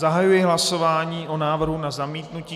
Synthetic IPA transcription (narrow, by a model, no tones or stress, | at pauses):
aɦajujɪɦlasovaːɲiːʔonaːvr̩ɦunazamiːt̪nuciː